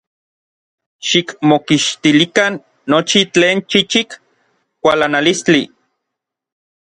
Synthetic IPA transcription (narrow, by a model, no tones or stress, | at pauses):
ʃikmokiʃt̪ilikanː | ot͡ʃit͡ɬeːnt͡ʃit͡ʃik | kʷalanalist͡ɬi